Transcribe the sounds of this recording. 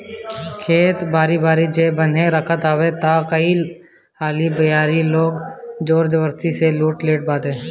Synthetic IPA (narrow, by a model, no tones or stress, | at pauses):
kʰeːt̪baːɾibaːɾid͡ʒeːbən̤ɦẽɾəkʰət̪aːʋet̪akəi | aːlibəjaːɾiloːɡd͡ʒoːɾd͡ʒəwəɾt̪iseluːʈleːʈ̚baːd̪eː